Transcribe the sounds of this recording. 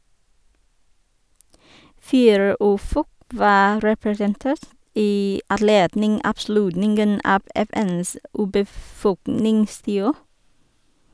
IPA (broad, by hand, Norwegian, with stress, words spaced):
ˈfiːɾə ˈʉːˌfɔk ˈʋɑː ɾɛpɾɛsənˈteːɾt ˈiː ɑdˈleːdnɪŋ ɑːbˈslʉtnɪŋɡən ˈɑːb ɛˈfɛns ʉːbəˈfɔknɪŋˌstiːoː